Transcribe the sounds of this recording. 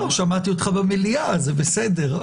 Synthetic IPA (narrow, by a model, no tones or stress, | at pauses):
oʃamat̪iot̪χabameliazebesed̪e̞ʁ